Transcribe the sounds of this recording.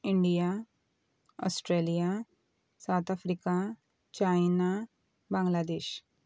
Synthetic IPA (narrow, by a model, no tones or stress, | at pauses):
iɳɖija | ɔ̰sʈɾeːlija | sawt̪ʰafɾiːka | t͡ɕajna | bãŋɡlad̪eːʃ